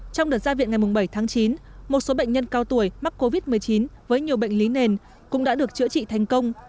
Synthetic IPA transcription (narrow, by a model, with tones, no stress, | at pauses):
t͡ɕɔ˧wŋ͡mɗəː˨˩t̚zaː˧vḭ˧˨nŋa˨˩jmʊ˨˩ŋ͡mɓə˧˩jt̪ʰaː˨˦ŋt͡ɕi˨˦nmo˨˩t̚so˨˦ɓə̰˧˨ŋ̟ɲə˧nkaː˧wt̪u˧˩əjma˦˥k̚ko˧vi˦˥t̚mɨ˨˩əjt͡ɕi˨˦nvəː˨˦jɲi˨˩əwɓə̰˧˨jŋ̟li˨˦ne˨˩n | kʊ̰˧˥ŋ͡mɗa̰ː˧˥ɗɨ˨˩ək̚t͡ɕɨ̰˧˥ət͡ɕḭ˧˨t̪ʰa˨˩jŋ̟kə˧wŋ͡m